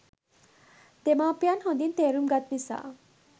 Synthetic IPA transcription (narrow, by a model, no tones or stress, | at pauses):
t̪emaːpijanɦõnd̪int̪eːɾumɡat̪̚misa̰